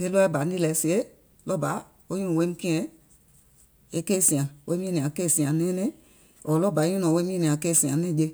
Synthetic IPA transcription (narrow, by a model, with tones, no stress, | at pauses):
ke˦lɔ˦ɛ˦ba˨n˦i˦lɛ˨˦si˨e˦ | lɔ˦˨ba˨˦ | o˦ũ˦˨we˨˦mĩ˦kĩ˦ɛ̃˦ | e˦ke˦˨sĩ˨ã˨wʔe˦mĩ˦nĩ˨ã˨˦ke˦˨sĩ˨ã˨nɛ̃˦nɛ̃˦ | ɔ˨lɔ˦˨ba˨˦ũ˦ɔ̃˨we˦mĩ˦nĩ˨ã˨˦ke˦˨sĩ˨ã˨nɛ̃˦˨d͡ʒe˧